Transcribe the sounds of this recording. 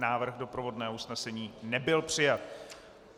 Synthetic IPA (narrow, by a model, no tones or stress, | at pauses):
naːvr̩ɣdo̞pɾovo̞dnɛːusnɛsɛɲiːnɛbɪlpr̝̥ɪjat̪̚